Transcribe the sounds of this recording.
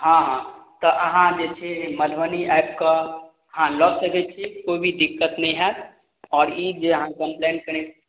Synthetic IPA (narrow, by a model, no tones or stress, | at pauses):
ɦãɦãt̪ɔʔəɦãd͡ʒet͡ʃʰeməd̪ʱʋəniʔɛp̚kə | ɦãlɔsəkɛt̪̚t͡ʃʰikoibʱid̪ikːət̪nəĩɦɛt̪ | ɔːɾid͡ʒeəɦãkəmpleɳʈkəɾ̃et͡ʃʰ